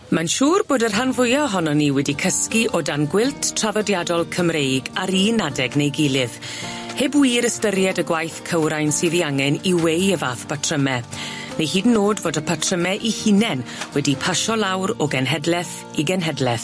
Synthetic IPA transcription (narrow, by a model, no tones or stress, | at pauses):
manʃuːrboːdərɦanvʊjɔɦɔnɔniːwɛdikʰəskiʔɔdanɡwɪlˠtʰtʰr̥aðɔdjadɔlˠkʰəmrejɡaɾiːnadɛɡnejɡɪlˠɨv | hebwiːɾəstəɾjɛdəɡwajθkʰəwɾajnsiːðiaŋɛniwejəvaːθb̥atʰrəmɛ | nehiːdnːoːdvoːdəpʰatʰrəmɛʔihinɛnwɛdipʰaʃɔlˠawɾɔɡɛnɦɛdlɛθ | iɡɛnɦɛdlɛθ